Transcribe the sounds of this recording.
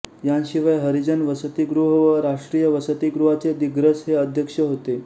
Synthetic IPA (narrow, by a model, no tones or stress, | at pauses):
janɕiʋajɦəɾid͡ʑənʋəsət̪iɡɾuɦəʋəɾaʂʈɾijəʋəsət̪iɡɾuɦat͡sed̪iɡɾəsɦeəd̪ʱjəkʂəɦot̪e